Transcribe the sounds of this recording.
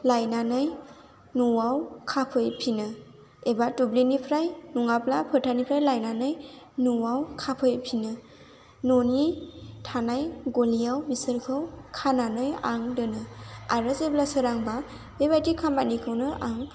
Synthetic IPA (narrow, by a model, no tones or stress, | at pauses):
lajnanɯj | nuwawkʰapʰɯjpʰinɯ | ebatublinipʰɾajnuŋaplapʰɯɾtʰanipʰɾajlajnanɯj | nuwawkʰapʰɯjpʰinɯ | nonitʰanajɡolijawbisɯɾkʰɯwkʰananɯjaŋdɯnɯaɾɯseblasɯɾaŋba | bebajtikʰambanikʰɯwnɯʔaŋ